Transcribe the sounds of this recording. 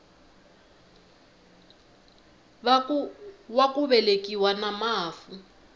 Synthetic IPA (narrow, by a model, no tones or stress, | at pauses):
wakuβɛlekʼiwanamaːfu